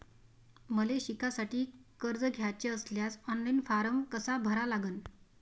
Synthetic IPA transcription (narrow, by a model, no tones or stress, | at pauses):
məleɕikasaʈiːkəɾd͡zəɡʱjat͡ɕeəsljasɔnlajnfaɾəmkəsabʱəɾalaɡən